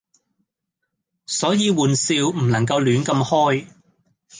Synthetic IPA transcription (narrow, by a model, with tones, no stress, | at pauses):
sɔː˨˥jiː˨˧wuː˨nsiː˧wm̩˨˩nɐ˨˩ŋk̬ɐ˧wlyː˨˥nkɐ˧mhɔː˥j